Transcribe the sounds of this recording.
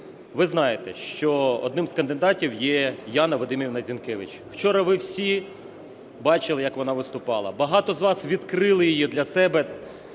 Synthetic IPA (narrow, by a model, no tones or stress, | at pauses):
ʋɪznɑjet̪ɛʃt͡ʃɔɔ̰d̪̚nɪmskɐnd̪ɪd̪ɑtʲiwjɛjɑnɐʋɔd̪ɪmʲiwnɐzʲinkɛʋɪt͡ʃ | w̥t͡ʃɔɾɐʋɪwsʲi | bɑt͡ʃɪlˠɪjɐkʋɔnɑʋɪst̪ʊpɑlˠɐbɐɦɑt̪ɔzʋɑsʋʲid̪kɾɪlˠɪjɪjid̪lʲɐsɛbɛ